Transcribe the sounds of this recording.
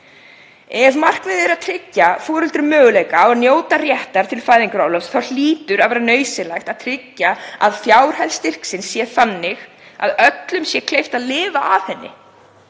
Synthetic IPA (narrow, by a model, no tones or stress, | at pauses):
ɛvmar̥kvɛðɪɾaðt̪ʰɾɪcːafoːɾʏlt̪ɾɪmœːɣʏlejkaɔnjoːwt̪arjɛht̪aɾ̥t̪ʰɪlfaːjðiŋkʏɾawlɔsθawl̥iːt̪ʏɾaðvɛːɾanœːɥsɪlajxt̪aðt̪ʰɾɪcːaa̰ðθjaːwɾ̥hɛjlst̪ɪr̥ksɪnsːjɛθanːɪx | a̰ðœt̪lʏmsjɛkʰlejft̪aðlɪːvaaðθɛnːɪ̰